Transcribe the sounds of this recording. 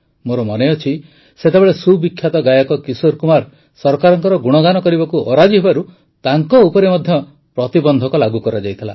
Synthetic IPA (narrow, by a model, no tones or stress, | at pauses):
moɾɔmɔneɔt͡ʃʰi | set̪ebeɭesubikʰːjat̪ɔɡajɔkɔkisoɾkumaɾ | sɔɾkaɾɔŋkɔɾɔɡuɽ̃ɔɡanɔkɔɾibakuʔɔɾad͡ʒiɦebaɾu | t̪aŋkɔupɔɾemɔd̪ʱjɔ | pɾɔt̪ibɔnd̪ʱɔkɔlaɡukɔɾad͡ʒajt̪ʰila̰